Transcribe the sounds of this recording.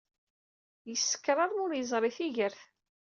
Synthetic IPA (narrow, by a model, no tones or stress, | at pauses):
jəsːə̥kːɾˤɑɾˤʊɾjəzˤɾˤɪθiʝəɾθ